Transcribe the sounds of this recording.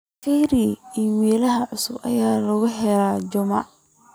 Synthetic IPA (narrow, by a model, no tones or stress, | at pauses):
fiːɾiimɛːlɐɦɐʕʊsʊbɐ̰jaːlɐɣʊɦɛlɾaːd͡ʒɔma̰